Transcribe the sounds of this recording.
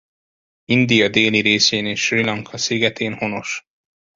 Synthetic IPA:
ind̪ijɒd̪eːliɾeːseːneːʃrilɒŋkʰɒsiɡɛt̪ʰeːnho̞no̞ʃ

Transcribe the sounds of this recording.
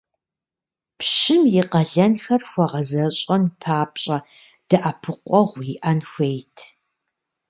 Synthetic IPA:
pʰɕɪmjɪqɐɮɐnxɐrxʷɔʁɐzɐɕʼɐnpʰaːpɕʼɐ | d̥ɐʔapʰɨqʷʼɔʁʷjiʔɐnxʷejtʰ

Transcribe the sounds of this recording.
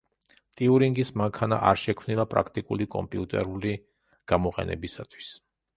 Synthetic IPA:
t̪ʼiuɾiŋɡismaŋkʰana̰ʔaɾʃɛkʰmnilˠapʼɾakʰt̪ʼikʼulikʼɔ̰mpʼiut̪ʼɛɾuli | ɡ̥amɔqʼɛ̰nɛ̰bisat̪ʰwi̥s

